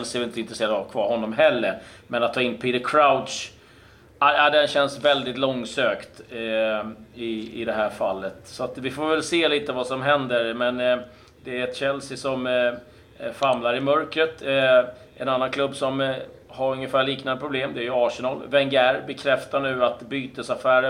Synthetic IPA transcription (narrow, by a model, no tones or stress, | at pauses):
ɛlsɪɛvɛlɪnt̪əɪnt̪ɾəseːɾad̪vavkʰvɑːɾhɔnːɔmɦɛlːəɾmɛnat̪ʰːɑːɪnpʰid̪əkʰɾaʊd̪ʂ | aad̪ɛnɕɛnsvɛld̪ɪt̪lɔŋːsøːkt̪ | ɪɪ̰d̪ɛɦæːɾfalːət̪sɔat̪vɪfoːɾvɛlseːliːt̪əvasɔmɦɛnd̪əɾmɛn | d̪ɛæɾɛt̪ɕɛlsɪsɔm | famlaɾɪmœɾkɾət̪ | ʔɛnanːankʰlɵbːsɔm | haɾɵŋːəfæːɭiːknand̪əpʰɾʊbleːmd̪ɛæːɾjɵɑːʂənɑlvɛŋɡæɾbɛkʰɾɛft̪aɳʉ̟ːat̪byːt̪əsafæːɾə